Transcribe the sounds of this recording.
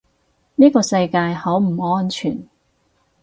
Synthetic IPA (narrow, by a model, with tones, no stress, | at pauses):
niː˥kɔː˧sɐ˧jkaː˧jhɐ˨˥wm̩˨˩ɔː˥nt͡ʃʰyː˨˩n